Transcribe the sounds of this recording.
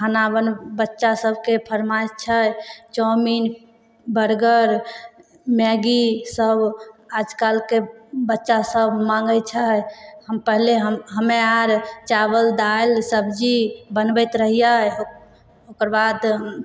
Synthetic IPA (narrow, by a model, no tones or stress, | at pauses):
kʰanabənbətːʃasəbʱkepʰəɾmajtt͡ʃʰət͡ʃɔmin | bəɾɡəɾ | mɛɡisəbʱad͡ʒkalkebətːʃasəbʱmãŋɡət͡ʃʰəhəmpəɦleɦəɦəmeaɾt͡ʃabəld̪alsəbd͡ʒibənbəjt̪ɾəɦija | okəɾbad̪